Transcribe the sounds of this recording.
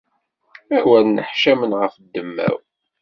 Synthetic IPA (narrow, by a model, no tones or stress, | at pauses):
æwælnəħʃæmənʁəfd̪ːəmːæ̰w